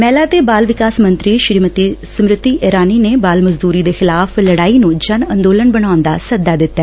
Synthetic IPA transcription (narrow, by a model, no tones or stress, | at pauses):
mɛːlaːt̪eːbaːlʋɪkaːsmə̃nt̪ɾiːʃɾimət̪isəmɾɪt̪ːiːʔeːɾaːniːneːbaːlməzd̪uːɾiːd̪eːxɪlaːfʰləɽaːiːnũːd͡ʒənə̃nd̪oːlənbənaːʊnd̪a̰ːsəd̪aːd̪ɪt̪ːɛː